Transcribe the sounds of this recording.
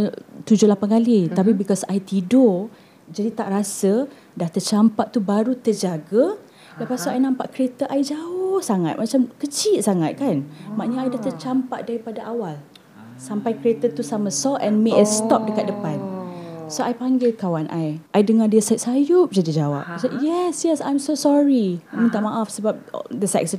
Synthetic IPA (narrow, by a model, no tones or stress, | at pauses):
t̪ud͡ʒʊlapankalit̪apibikɔsajt̪ido | d͡ʒadit̪aʔrasə | daht̪ət͡ʃampaʔt̪ubaɾut̪ərd͡ʒaɡə | lajpasaʔajnãmpaʔkəɾet̪əʔajd͡ʒaʊhsaŋa̰t̪̚mat͡ʃamkət͡ʃit̪̚saŋat̪̚kanmãʔɲaajdaht̪ət͡ʃampaʔdaɾipadaʔawal | sampajkəɾet̪ət̪usamãsɔʔɛnmeʔəst̪ɔp̚dəkat̪̚dəpansoajpaŋɡɪlkawanʔajʔajdəŋãdiəsasajʊp̚d͡ʒadid͡ʒawa̰p̚sajɛsjɛsã̰jmsosɔɹimənt̪aʔmãʔafsəbap̚dəsɛ̰k̚sə